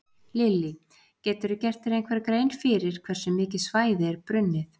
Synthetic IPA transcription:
lɪlːi | cɛːt̪ʏɾʏcɛr̥t̪ɪɾejnkʰvɛɾkɾeːjnfɪːɾɪɾ̥kʰv̥ɛɾ̥sɛmːɪːcɪsvaːjðɪɛɾpɾʏnːɪθ

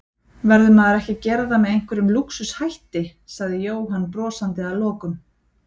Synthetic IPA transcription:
vɛɾðʏmaðaɾɛhcɪcɛːɾðamɛðejŋ̥kvɪɾʏmluksʏshajht̪ɪsaɣðɪjoːwɦanːpɾɔːsant̪ɪalɔːkʏm

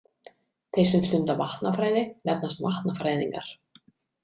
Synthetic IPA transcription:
θejsɛmst̪ʏnt̪avaht̪nafɾaːjðɪnɛp̚nast̪vaht̪nafɾaːjðiŋka̰ɾ̥

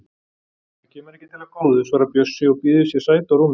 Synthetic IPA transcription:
θacʰɛːmʏɾɛhcːɪ̥t̪ʰɪlakoːwðʏsvaːɾapjœsːʏɔɣpiːðʏsjɛ̥saːjt̪aɾuːm

